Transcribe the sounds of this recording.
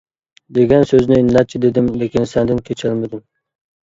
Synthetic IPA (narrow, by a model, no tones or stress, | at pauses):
d̪eɡʲɛnsøznɪːnːɛt̪̚t͡ʃʰid̪ed̪ɪmlekʲinsɛnd̪ɪnkʲʰet͡ʃʰɪlˠmɪd̪ɪm